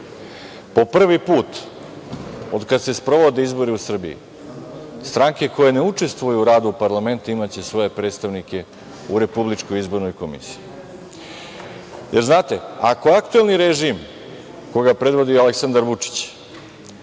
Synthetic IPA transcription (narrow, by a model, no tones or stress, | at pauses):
po̞pr̩ʋipuːt̪ | o̞d̪kad̪se̞spɾo̞ʋo̞d̪e̞izbo̞ɾiusr̩bḭḭ | st̪ɾaŋke̞ko̞je̞ne̞ut͡ʂe̞st̪ʋojuːɾaːd̪uːpaɾlˠame̞nt̪uimat͡ɕe̞sʋo̞je̞pɾed̪st̪aʋnike̞ | uɾe̞publit͡ʃkojizbo̞ɾnojko̞mḭsi̥ji | jʔeɾznaːt̪e̞a̰ko̞akt̪ue̞lniɾeʒim | koɡapɾe̞d̪ʋo̞d̪ioaleksand̪aɾʋut͡ʂi̥t͡ɕ